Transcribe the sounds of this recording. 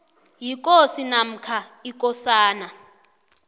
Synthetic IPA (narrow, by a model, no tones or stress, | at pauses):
jik̬ʼosinam̩kʰaik̬ʼɔsaːna